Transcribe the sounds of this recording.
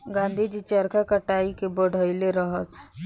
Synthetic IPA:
ɡãːnd̪ʱid͡ʒit͡ʃəɾkʰakəʈaːikebəɽ̤ʱəileɾəɦət̪

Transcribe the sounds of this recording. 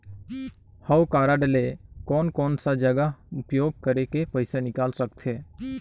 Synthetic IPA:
həwkaːɾaɖəlekɔːnkɔːnsad͡ʒəɡəʊpjoːɡ̚kəɾekepəɪsanɪkaːlsəkt̪ʰɦeː

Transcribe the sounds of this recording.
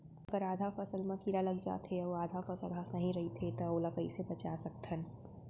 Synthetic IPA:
ɐɡəɾaːd̪ʱafɐsəlmãkiːɾalɐɡd͡ʒa̰ːt̪ɦeoaːd̪ʱafɐsəlasnɐɦĩɾɐɦit̪ʰet̪ɐoːlakəḭsebɐt͡ʃasɐk̚t̪ɦən

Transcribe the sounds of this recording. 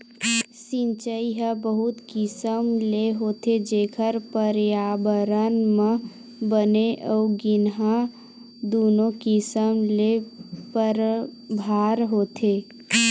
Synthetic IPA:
sɪ̃nt͡ʃəiɦabəɦut̪kɪsəmleɦoːt̪ed͡ʒeːkʰəɾpəɾjaːbəɾənmə̃ | bəneʔɔːɡɪnɦã | d̪oːnokɪsəmlepəɾbʱaːɾɦoːt̪ʰeː

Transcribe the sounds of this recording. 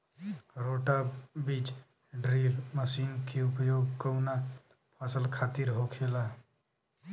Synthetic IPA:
ɾoʈabit͡ʃ | ɖɾilməsinkeupəjoɡkəwna | pʰasəlkʰat̪iɾɦokʰela

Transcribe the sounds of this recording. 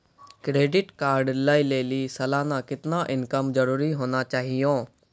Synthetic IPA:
kɾeːɖɪʈkaːɾɖlaːileːlisɐlaːnãkɪt̪naʔɪ̃nkəmzɐɾuːɾiɦoːnat͡ʃaːɦijõː

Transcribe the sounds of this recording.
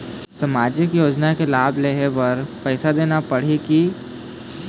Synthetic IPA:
səmaːd͡ʒɪkjoːd͡ʒnakelaːbleɦeʋɐɾpɛːsad̪eːnapɐɽ̤eki

